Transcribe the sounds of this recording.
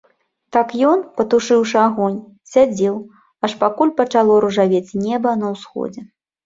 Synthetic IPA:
t̪akjɔnpɐt̪uʂɨwʂɨaɣɔnʲ | sʲad͡zʲɛw | ɐʂpakulʲpɐt͡ʂalˠɔɾuʐavʲet͡sʲnʲɛbɐnɐwsxɔ̰d͡zʲɛ

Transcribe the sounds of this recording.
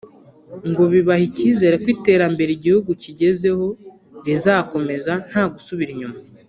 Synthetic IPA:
ŋɡo̞βiβahiciːze̞ɾekwiːte̞ːɾambe̞ɾiɟihuɡuciɟe̞ze̞ho̞ | ɾizaːko̞me̞zan̥haːɡusuβiɾiɲuma

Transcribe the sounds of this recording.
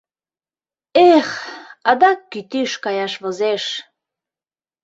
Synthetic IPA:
eχɑd̪ɑkːyt̪iʃkɑjɑʃβozeʃ

